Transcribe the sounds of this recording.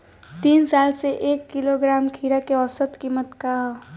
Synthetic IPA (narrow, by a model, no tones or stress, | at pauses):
t̪iːnsaːlseʔeːkːiloɡɾaːmkʰiːɾakeɔsət̪kiːmət̪kaɦ